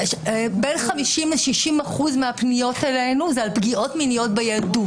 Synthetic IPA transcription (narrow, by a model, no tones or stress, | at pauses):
benχamiʃimleʃiʃimaχuzmeapnijo̞tele̞jnuzealpɡio̞tminijo̞t̚bejadut